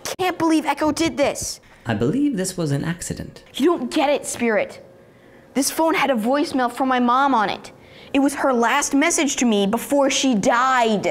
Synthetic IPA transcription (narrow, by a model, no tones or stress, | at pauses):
kʰæ̃nb̥əlivɛkoʊdɪd̪̚ðɪs | ʔaɪbəlivðɪswʌzɨ̃nʔæksɨɾɨ̰̃ntjɨɾõʊ̃nɡ̥ɛɾɪtspɪɹɪt̪̚ | ðɪsfõʊ̃nɨɾɨvɔɪsmɛlˠfə˞maɪmɑ̃mə̃nɪ̰ɾ | ɨt̚wʌz̥ə˞læst̚mɛsɨd̥ʒ̥tʰɨmibəfɔɹʃidaɪd